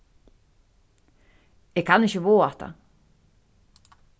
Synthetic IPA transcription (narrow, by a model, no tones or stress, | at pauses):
ɛkʰanɪhcɪvoːaht̪a̰